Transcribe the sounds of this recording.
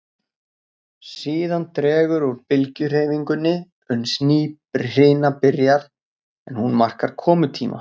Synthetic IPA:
siːðant̪ɾɛːɣʏɾɔɾpɪlcʏɾ̥eːjviŋkʏnːɪ | ʏnsniː | rɪjnapɪɾjaɾ | ɛnhunmar̥kaɾ̥kʰɔːmʏt̪ʰḭːma̰

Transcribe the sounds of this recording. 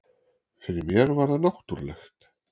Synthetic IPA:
kʰvɛnɪmjɛɾvaɾðanɔxt̪uɾlɛxt̪

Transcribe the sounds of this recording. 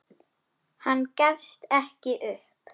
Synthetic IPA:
hanːcafst̪ɛhcɪʔʏhp

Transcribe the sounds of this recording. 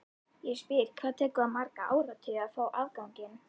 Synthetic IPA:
jɛspɪɾ̥kʰvaːðt̪ʰɛːkʏaðmaɾkaʔa̰ːwɾat̪ʰʏjaðfaːwʔaːvkawɲcɪn

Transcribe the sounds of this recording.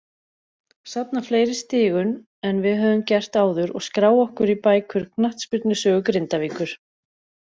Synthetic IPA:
sapnafleːjɾɪ̥st̪ɪːɣʏn | ɛnvɪðɦœːvʏmcɛr̥t̪aːwðʏɾɔ̰ɣskɾaːwɔhkʏɾipaːjkʰʏɾ̥knaht̪spɪt̪nʏsœːɣʏkɾɪnt̪aviːkʏɾ̥

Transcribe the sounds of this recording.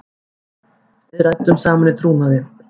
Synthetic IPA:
vɪðɾaj̚t̪ːʏmsaːmanɪt̪ʰɾuːnaðɪ

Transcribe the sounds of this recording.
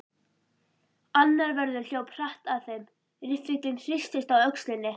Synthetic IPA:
anːaɾvɛɾðʏɾ̥ljoːwpʰr̥aht̪aðθejm | ɾɪfɾɪkt̪lɪnfɪst̪ɪst̪awœkslɪnːɪ

